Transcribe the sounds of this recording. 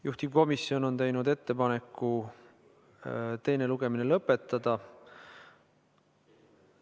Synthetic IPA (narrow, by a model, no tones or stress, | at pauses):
juht̪ib̥ko̞misːjo̞no̞nt̪e̞jnud̪e̞t̪ːe̞pɑne̞kˑːu | t̪e̞jne̞luɡ̥e̞minelɤpːˑe̞t̪ˑːɑd̪̥ɑ